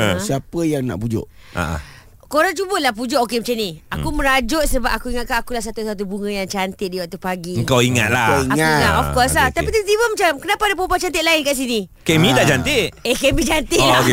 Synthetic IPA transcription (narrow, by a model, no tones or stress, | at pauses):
siapəjaŋna̰ʔpud͡ʒʊ̰ʔ | a̰ʔa̰ | koɾaŋt͡ʃubəlahp̬ud͡ʒʊʔokemat͡ʃamniakumə̃ɾad͡ʒʊt̪̚səbap̚akuiŋat̪̚kanakulahs̬at̪usat̪̬ubuŋə̃jaŋt͡ʃant̪ɪt̪̚diwat̪upaɡiəŋkawiŋa̰t̪̚laaiaŋaaʔɔfkɔslaht̪apit̪ət̪ibəmat͡ʃamkənapadap̬opat͡ʃant̪ɪt̪laɪnkaʔs̬inikemĩt̪aʔd͡ʒant̪ɪʔehkemĩd͡ʒant̪ɪk